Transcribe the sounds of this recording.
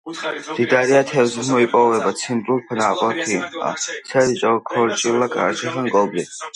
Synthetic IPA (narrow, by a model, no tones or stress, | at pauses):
d̪̥id̪aɾiat̪ʰɛvzmɔipʼɔvɛbat͡sʰimt̪ʼulpʰanaqʼɔt̪ʰwia̰sʰɛɾit͡ʃʼɔkʰɔɾt͡ʃʼilːakʼa̰t͡ʃʰɛχanɡʼɔlbli